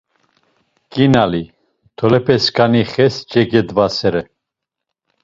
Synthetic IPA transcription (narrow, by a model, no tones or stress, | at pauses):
kʼinali | t̪ʰɔlɛpʰɛskʰʼaniχɛst͡ʃʼɛɡɛd̪vasɛɾɛ